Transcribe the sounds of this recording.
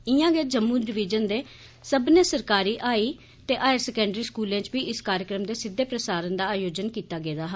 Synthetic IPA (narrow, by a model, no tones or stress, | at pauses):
ɪjãːɡeːd͡ʒəmːũːɖɪʋɪd͡ʒənd̪eː | səbneːsəɾkaːɾiːʔaːiː | t̪eːʔaːjəɾsɛkɛ̃ːɳɖɾiːskuːlẽːt͡ʃbiːɪskaːɾjəkɾəmd̪eːsɪd̪ːeːpɾəsaːɾənd̪aːaːjoːd͡ʒənkiːt̪aːɡeːd̪aːɦaː